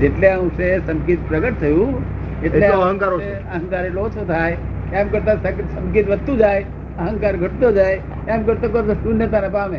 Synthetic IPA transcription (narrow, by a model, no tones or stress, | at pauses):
d͡ʒeʈleaũsesɐmkiːt̪̚pɾɐɡəʈ̚t̪ʰɐjũ | eʈeleoɐɦə̃ŋkaːɾo | ɐɦə̃ŋkaːɾeloːt͡ʃʰot̪ʰaːe | tãmkɐɾt̪asɐsɐ̃mkit̪ʋɐt̪ũd͡ʒaːe | ɐɦə̃ŋkaːɾɡʱɐʈd̪od͡ʒaːe | t̪ãmkɐɾt̪ok̬ɐɾt̪osunjət̪ãnɐpamẽː